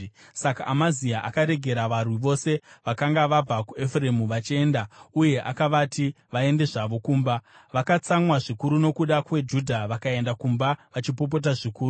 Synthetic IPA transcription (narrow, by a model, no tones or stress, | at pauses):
sakaʔamaziaʔa̰kaɾe̞ɡʱe̞ɾaʋarwiʋo̞se̞ʋakaŋɡaʋab͡vakue̞fre̞muʋat͡ʃie̞ːndauje̞ʔakaʋati | ʋae̞nde̞ʐaʋo̞kuːmba | ʋakat͡samwaʐikuɾuno̞kuɗakwe̞d͡ʒudʱaʋakae̞ndakumbaʋat͡ʃipo̞p̬o̞t̬aʐikuːru